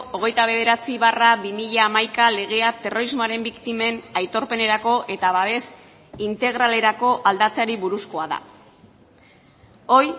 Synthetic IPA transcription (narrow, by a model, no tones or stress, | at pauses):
oɣ̞e̞jt̪aβ̞e̞ðe̞ɾat͡siβaraβimiʎaːmajkale̞ɣ̞e̞at̪e̞ro̞ɾizmo̞aɾe̞mbikt̪ime̞najt̪o̞ɾpe̞ne̞ɾako̞ʔe̞t̪aβaβe̞s | int̪e̞ɣ̞ɾale̞ɾako̞ʔald̪at͡saɾiβuɾusko̞aða̰ | o̞j